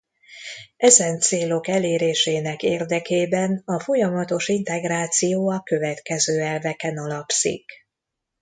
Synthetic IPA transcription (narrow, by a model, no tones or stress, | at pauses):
ʔɛzɛnt̪seːlo̞kɛleːɾeːʃeːnɛkeːrd̪ɛkeːbɛnɒfo̞jɒmɒt̪o̞ʃint̪ɛɡraːt̪sijoːɒkø̞vɛt̪kɛzøːɛlvɛkɛnɒlɒpsḭk